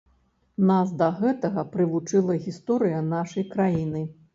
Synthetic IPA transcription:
nasd̪ɐɣɛt̪ɐɣɐpɾɨvut͡ʂɨlˠɐɣʲist̪ɔɾɨjɐnaʂɐjkɾajinɨ

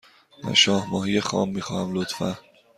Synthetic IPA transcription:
d̪æ̰ɾʃɒːhmɒːɦijexɒ̰ːmːiːxɒ̰ːhæmlot̪fæ

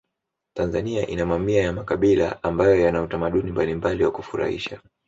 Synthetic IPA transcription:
tanzaniaʔinamamiajamakaɓila̰ambajɔjanautamaɗunimbalimbaliwakufuɾa̰hḭʃa

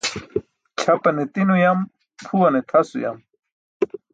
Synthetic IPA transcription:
t͡ɕʰɐpɐnet̪inujɐm | pʰuɐnet̪ʰɐsṵjɐ̰m

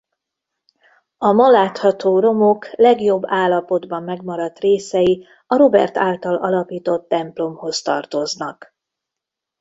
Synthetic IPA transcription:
ɒmɒlaːt̪hɒt̪oːro̞moklɛɡjo̞bːaːlːɒpo̞d̪bɒmːɛɡmɒɾɒt̪reːsɛji | ɒɾo̞bɛ̰rt̪aːlt̪ɒlɒlɒpiːt̪o̞t̪ːɛmplo̞mho̞st̪ɒ̰rt̪o̞znɒk

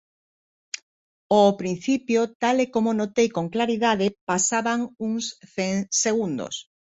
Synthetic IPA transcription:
opɾin̟θipjot̪alekomonot̪ejkoŋklaɾiðað̞epasaβaŋuŋsθeŋseɣund̪o̰s

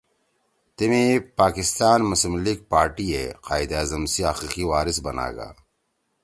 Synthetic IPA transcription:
t̪imipaːkist̪aːnmʊsimliːɡ̚paːɾʈieqaːjd̪aːzɐmsiaqiːqiwaːɾisbɐna̰ːɡa̰ː

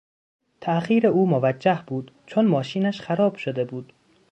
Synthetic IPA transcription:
t̪ʰæʔχiːɾeuːmovæd͡ʒːæhbuːd̪̥t͡ʃʰonmɒːʃiːnæʃxæɾɒːb̥ʃod̪e̞buːd̪̥

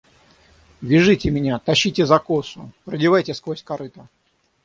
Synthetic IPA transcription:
vʲɪʐɨtʲɪmʲɪnʲat̪ɐɕːitʲɪzɐkosʊpɾədʲɪvajtʲɪskvosʲkɐɾɨt̪ə

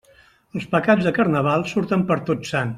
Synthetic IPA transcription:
əlˠspəkad͡zðəkəɾnəβ̞alˠsuɾt̪əmpəɾt̪otsan

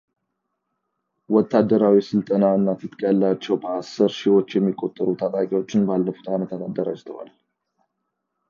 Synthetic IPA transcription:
wɔt̪ʰːad̪ːəɾawisɨlt̪ʼənaɨnːat̪ʰɨt̪ʼkʼəlːat͡ʃːɛwbəasɨɾʃiwo̞t͡ʃːjɛmːikʼːo̞t̪ʼːəɾut̪ʰat̪ʼakʼiwo̞t͡ʃːɪnbalːəfu̥t̪ʰamət̪ʰanad̪ːəɾa̰d͡ʒt̪ʰəwa̰l

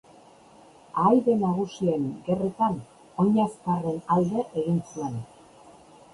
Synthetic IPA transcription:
aːjðe̞naɣ̞usie̞ŋɡe̞ret̪an | o̞ɲaskare̞nald̪e̞ʔeɣinsue̞n

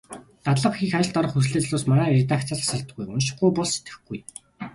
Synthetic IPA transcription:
t̪at̪ɮə̆qxiːxat͡ɕɪ̆ɮt̪ɔɾɞ̆χxus̬ɮeːt͡sɮoːsmaɾæːret̪ak̚t̪t͡săɮasăɮt̪ɡujʊnʃɪ̥̆χujpʊɮse̥t̪ɡɘ̥̆xɡɡ̥uj

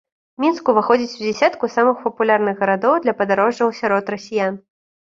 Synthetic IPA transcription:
mʲinskuvɨxɔd͡zʲit͡sʲwd͡zʲɛsʲat̪kusamɨxpɐpulʲarnɨɣɣɐɾad̪ɔwd̪lʲɐpɐd̪aɾɔʐɐwsʲaɾɔt̪rɐsʲijan

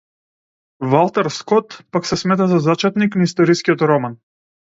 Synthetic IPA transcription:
valˠt̪aɾskɔt̪paksɛsmɛt̪̬azazat͡ʃɛt̪niknaist̪ɔɾiskʲiɔt̪ɾɔman

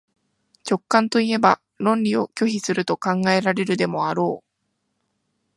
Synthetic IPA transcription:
t͡ɕo̞kːãnt̪o̞ie̞ba | ɾõ̞nʲɾʲio̞kʲo̞çisɨɾɯ̟t̪o̞kãŋɡae̞ɾaɾe̞ɾɯ̟d̪e̞mo̞aɾo̞ː

